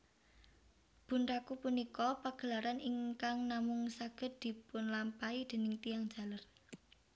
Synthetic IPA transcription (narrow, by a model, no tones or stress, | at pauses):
b̥ṳnrakupunikɔpaɡ̥ə̤laɾaniŋkaŋnamʊŋsaɡ̥ə̤t̪̚d̪̥i̤pʊnlampaid̪̥e̤nɪŋt̪ijaŋ̥d͡ʒ̥a̤lər